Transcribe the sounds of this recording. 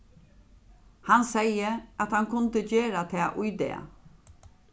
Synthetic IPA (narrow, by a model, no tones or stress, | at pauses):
hansɛjəʔat̪hankʰʊnt̪əd͡ʒeːɾat̪ʰɛːʔʊjd̪ɛ̰ː